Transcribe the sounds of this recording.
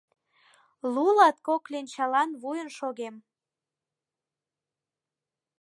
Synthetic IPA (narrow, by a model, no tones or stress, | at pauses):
lulɑt̪̚koklent͡ɕɑlɑnβujənʃoɣem